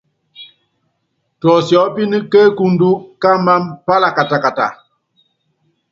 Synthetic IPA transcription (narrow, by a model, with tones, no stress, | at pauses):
tɔ˨sjɔ˨˦pi˦ni˦kə˦ku˦ndu˦ka˦ma˦mpa˦la˨ka˨ta˨ka˨ta̰˨